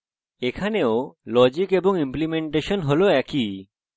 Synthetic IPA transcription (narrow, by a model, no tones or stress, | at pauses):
ekʰaneolɔd͡ʑikeboŋimplimeɳʈeʃonɦoloɛki